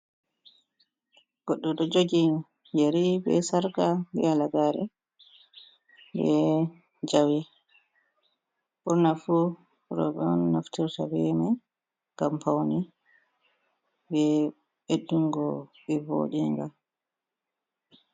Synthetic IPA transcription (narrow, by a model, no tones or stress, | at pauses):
ɡ̥ɔɗːuɗɔd͡ʒoɡi | jeɾibɛ̰saɾɡabɛ̰alaɡaɾɛ | bɛ | d͡ʒawi | ɓɔnafu | ɾɔ̰ɓɛɔnːaftiɾtabɛma | ŋɡampawni | bɛ | ɓeɗːuŋɡɔɓɛvo̰ɗiŋɡa